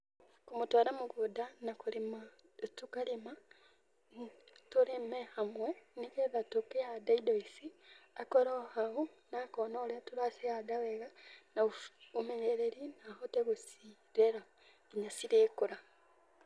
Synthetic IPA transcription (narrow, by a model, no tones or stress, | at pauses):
kumutwaːlamuɡudanakulima | tukalima | tuɾemehamwenikeðatokeadaidoisiakoɾohaonakonoletuɾasiadaweɣanaumeɲeɾeɾinaɦoteβusi | ɾeɾa | eɲasiɾeːkuɾa